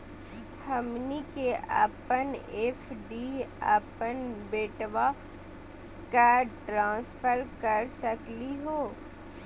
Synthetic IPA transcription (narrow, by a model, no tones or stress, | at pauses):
hɐmnikeʔa̰ːpəneːfɖia̰ːpənbeːʈʋa | kaʈɾãːnspʰəɾkəɾsəkliɦoː